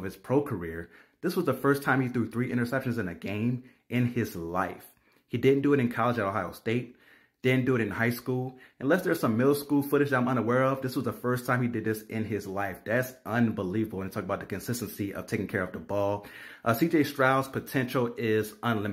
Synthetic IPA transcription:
v̥ɨz̥pʰɹ̥oʊkʰə˞ɪɹ | ðɪswʌzðəfɜ˞stʰãɪ̃miθɹʉθɹiʔɪ̃ə˞sɛpʃɨ̃n̩zɨ̃nɨɡẽɪ̃m | ɪ̃nɪzlaɪf | hidɪdⁿn̩d̥ɨɨɾɨ̃nkʰɑlˠəd͡ʒɨɾohaɪoʊsteɪt̚ | d̥ɪdⁿn̩d̥ɨɨɾɨ̃nhaɪskulˠɨ̃nlɛsðə˞z̥sʌ̃mːɪlˠskulˠfʊɾɨd͡ʒãɪ̃mʌ̃nəwɛɹʌvðɪswʌzðəfɜ˞stʰãɪ̃midɨd̪̚ðɪsɪ̃nɪzlaɪfðætsʔʌ̃nbəlivəbl̩ˠwə̃nitʰɔkəbaʊt̪̚ɨkɨ̃nsɪstn̩siʔʌ̰v̥tʰeɪkɪ̃ŋkʰɛɹʌvðəbɔlˠʔʌsid͡ʒeɪstɹ̥aʊz̥pʰɨtʰɛ̃nʃl̩ˠɪzə̃nlɪ̃m

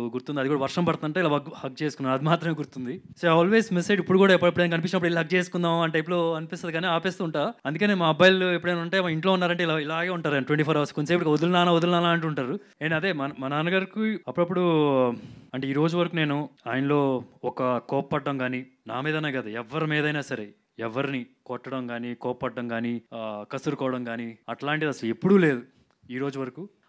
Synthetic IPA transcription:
ɡuɾt̪und̪iɐd̪ikuːɽɐʋɐɾʂɐmpɐɽt̪ɐnɐɳʈːeilaːhɐk̚ːt͡ʃe̞ːsukunːaːɾɐd̪imaːt̪ɾɐmeːɡuɾt̪und̪isoːaːlʋe̞ːsmisːeɖipːuɽukuːɽaːipːɐɽɐpːuɽnkɐnip̬inʃɐnːɐp̬ːɽilːɦɐk̚t͡ʃeːsu̥kund̪aːmɐnʈɐjplo̞ːkɐnipist̪ɐd̪iɡaːneːaːpeːst̪uːɳʈaːɐnd̪ukɐneːmaːbaːjlepːuɽeːnɐɳʈeiɳʈloːunːaːɾɐɳʈeilailaːɡeːuɳʈaːɾanʈwʋeɳʈipʰoːɾɐʋɐskoɲt͡ʃeːpːuɽikod̪ulnaːnaːod̪ulnaːnaːɐɳʈuuɳʈaːɾuenɐd̪e̞ːmɐnmɐnaːnɐɡaːɾikuɐpːuɽɐp̬ːuɽu | ɐɳʈeiːɾo̞ːd͡ʒuʋɐɾɐkuːne̞ːnuaːjɐnɐlo̞ːɔkɐkɔːpɐpɐɖːɐmɡaːni | na̰ːmiːd̪ɐnːaːɡɐd̪aɛʋːɐɾimiːd̪ɐjnaːsɐɾe | ɛʋɐɾinikɔʈːɐɽɐmɡaːnikɔːppɐɖːɐmɡaːnikɐsuɾukɔːʋɐɽɐmɡaːniɐʈlaːɳʈid̪iɐsɐlepːuɽuːle̞ːd̪u | iːɾo̞ːd͡ʒuʋɐɾɐku

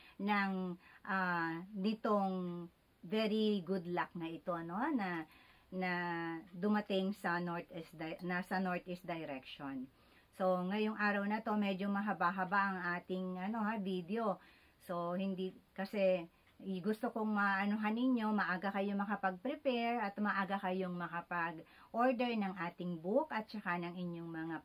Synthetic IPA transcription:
nɐŋʔanɪt̪o̞ŋ | vɛɾiɡʊd̪lak̚nɐʔɪt̪o̞ʔɐno̞hanɐ | nɐd̪ʊmɐt̪ɪŋsɐnoɹt̪ɛsd̪nɐsɐnoɹt̪ɛsd̪ɐjɾɛkʃon | so̞ŋɐjoŋʔaːɾɐwnɐt̪o̞mɛd͡ʒo̞mɐɦɐbaɦɐbaʔɐŋʔaːt̪ɪŋʔɐno̞havid̪eo̞ | so̞hɪnd̪ikɐsɛ | ɡʊst̪okoŋmɐʔɐnoɦanɪɲo̞mɐʔaːɡakɐjomɐkɐpɐɡ̚pɾɪpɛɹɐt̪mɐʔaːɡakɐjoŋmɐkɐpɐɡ | ʔoɹd̪ɛɹnɐŋʔaːt̪ɪŋbukʔɐt̪̚t͡ʃɐkanɐŋʔɪɲːo̞ŋmɐŋa

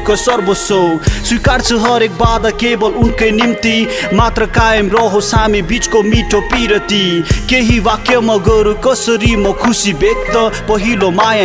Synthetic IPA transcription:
kʌsʌɾbosʌswikaɾt͡sʰʌɦʌɾek̚baːd̪akebʌlunkʌjnimt̪imat̪ɾʌkajemɾʌɦosamibit͡skomiʈʰopiɾʌt̪ikeɦiwakjʌmʌɡʌɾukʌsʌɾimʌkʰusibek̚t̪ʌpʌɦilomaja

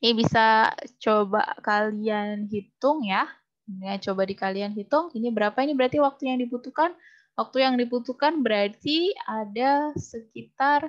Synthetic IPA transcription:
ibisat͡ʃoba̰kalianɦit̪ʊŋja | dŋat͡ʃobadikalianɦit̪ʊŋinibəɾapainibəɾart̪iwak̚t̪ujaŋdibut̪ukan | wak̚t̪ujaŋdiput̪ukanbəɾart̪iadasəkit̪ar

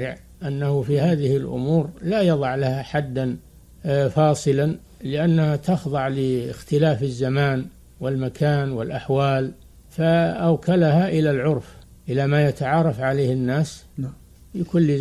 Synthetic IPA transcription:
ɪʕ | ʔanːahufihaːðɪhɪlʔʊ̰muːɾlajɑðˤɑʕlahaħad̪ːan | fɑːsˤɨlan | lɪʔanːahat̪ɑxðˤɑʕlɪɪxt̪ɪlaːfɪzːamaːn | wɪlmakʰaːnwɪlʔaħwaːl | faʔawkʰalahaʔɪlalʕʊɾf | ʔɪlamaːjat̪aʕɑːɾˤɑfʕaleːhɪnːaːs | jakʊlːɪ

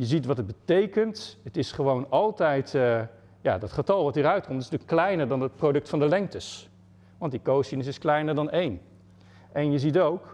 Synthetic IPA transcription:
jəzitʋɑtəd̚bətejkəntətɪsχəʋownɑlˠtɛjt | ja̰ːdɑtχətɑlˠʋɑtiːɾœɥt̚kɔmtɪsntyːklɛjnəɹdɑnət̚prodɵktfɑndəlɛŋk̚təs | ʋɑntdikowsinəs̬ɪsklɛjnəɹdɑnejn | ʔɛnjəzitowk

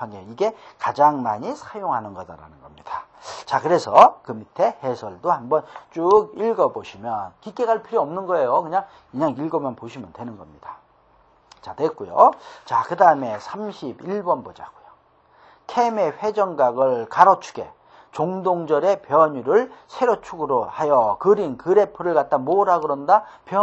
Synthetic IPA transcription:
aŋeiɡe̞kad͡ʑaŋmaɲisʰajoŋɦanɯnɡʌda̰ɾa̰nɯnɡʌmɲid̥at͡ɕakɯɾe̞sʰʌkɯmitʰehesʰʌɭdohambʌnt͡ɕuɡiɭɡʌboɕʰimjʌnkik͈e̞ɡaɭpʰiɾiʌmnɯnɡʌe̞jokɯɲaŋ | kɯɲaŋiɭɡʌmʌnpoɕʰimjʌndwe̞nɯnɡʌmɲid̥ḁ | t͡ɕatwek͈ujo̰t͡ɕakɯdaɯme̞sʰamɕʰibiɭbʌnbod͡ʑaɡujo̥ | kʰeme̞ɸwe̞d͡ʑʌŋɡaɡɯɭkaɾot͡ɕʰu̥ɡe̞̰ | t͡ɕoŋdoŋd͡ʑʌɾe̞pjʌɲuɾɯɭsʰe̞ɾot͡ɕʰuɡɯɾohajʌkɯɾinkɯɾe̞pʰɯɾɯɭkat̚t͈amoɾɦaɡɯɾʌnda | pjʌ

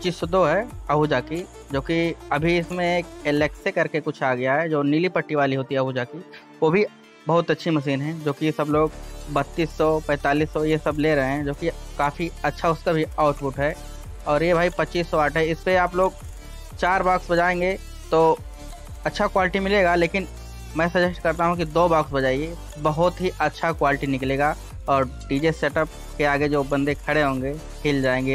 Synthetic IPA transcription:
pɐt͡ʃiːsːɔd̪oːɦɛɐɦud͡ʒaːki | d͡ʒoːkiɐbʱiɪsmẽeːk̚elɛːksekɐɾkekʊt͡ʃʰaːɡɐjaɦɛd͡ʒoːnilipɐʈːiʋaːliɦoːt̪iɦɛɐɦud͡ʒaːki | ʋoːbʱi | bɐɦʊt̪ɐtːʃʰimɐs̬iːnɦɛ̃d͡ʒoːkijesɐbloːɡbɐt̪ːiːsːɔpɛ̃ːt̪aːliːsːɔjesɐbleɾɐɦẽɦɛ̃d͡ʒoːkikaːfiɐtːʃʰaʊskabʱiaːʊʈpʊʈɦɛː | ɔːɾjebʱaːipɐtːʃiːsːɔaːʈɦɛɪspeaːploːɡ̚ | t͡ʃaːɾbaːksbɐd͡ʒaːẽːŋ̆ɡe | t̪oː | ɐtːʃʰakwaːlɪʈimɪleːɡaleːkɪn | mɛ̃ːsɐd͡ʒɛsʈkɐɾt̪aɦũkid̪oːbaːksbɐd͡ʒaːie | bɐɦʊt̪ɦiʔɐtːʃʰakwaːlɪʈinɪkleːɡaː | ɔːɾɖiːd͡ʒeseːʈəp̚ | keaːɡed͡ʒoːbɐ̃nd̪ekʰɐɽeɦõːŋ̆ɡe | kʰeːld͡ʒaːẽːŋɡeː

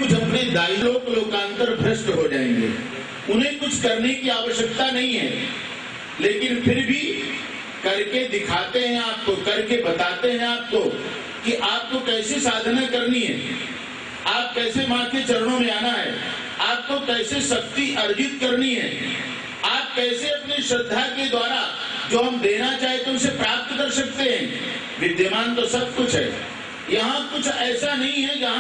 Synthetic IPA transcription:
ʊt͡ʃʰɐpned̪aːilõkloːkãːnt̪əɾbʱɾɪst̪ɦod͡ʒaːḛ̃ːŋɡḛː | ʊnɦẽkʊt͡ʃʰkɐɾnekiaːʋəʃjəkt̪anɐɦĩɦɛ̰ː | leːkɪnpʰɪɾbʱi | kɐɾked̪ɪkʰaːt̪eɦɛ̃aːp̚kokɐɾkebɐt̪aːt̪eɦɛ̃aːp̚ko | kiʔaːp̚kokɛːsesaːd̪ʱnakɐɾniɦɛ̰ː | aːp̚kɛːsemãːkʰet͡ʃɐɾñõmẽaːnaɦɛ̰ː | aːp̚kokɛːsesɐk̚t̪iʔɐɾd͡ʒɪt̪kɐɾniɦɛ̰ː | aːp̚kɛːseɐpniʃɾɐd̪ʱːaked̪waːɾa | d͡ʒoːɦɐmd̪eːnat͡ʃaːɦet̪ẽʊsepɾaːp̚t̪kɐɾsɐk̚t̪eɦɛ̃ː | ʋɪd̪jəmaːnt̪osɐb̚kʊt͡ʃʰɦɛ̰ː | jɐɦãkʊt͡ʃʰɛːsanɐɦĩɦɛjɐɦã

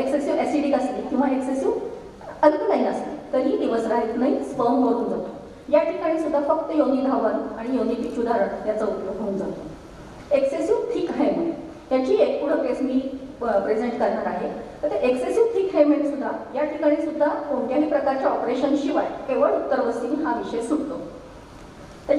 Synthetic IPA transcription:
eksesjuesiɽiːkəslekĩw̃ʋaeksesjuː | əlkːnaɦĩːəslet̪əɾɦiːd̪iʋəsɾaɦit̪naispəmʋəɾuːnd͡zat̪o | jaʈʰikaɽ̃iːsud̪ʱːafək̚t̪əjoɡ̪iːd̪ʱaʋənaɽ̃ijond̪iːpikt͡ɕud̪ʱaɾət̪jat͡səupjoɡɦouːnd͡za̰t̪o | eksesjuːʈʰiːkɦejm̤əɭe | t̪jaɲt͡ɕiːek̚puɽ̤əkesmiːpɾed͡ʑeɳʈkəɾɳaɾaɦet̪əɾt̪eʔeksesuːʈʰiːkɦemeɳsud̪ʱːajaʈʰikaɽ̃iːsud̪ʱːakoɳʈjaɦiːpɾəkaɾt͡ɕjaɔpɾeɕənɕiʋajkeʋəɭut̪ːəɾʋəst̪iːnɦaʋiɕəesuɽt̪o | t̪ə

